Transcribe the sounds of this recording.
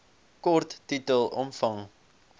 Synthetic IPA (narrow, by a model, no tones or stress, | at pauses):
kɔrtːitəlˠɔmfɐŋ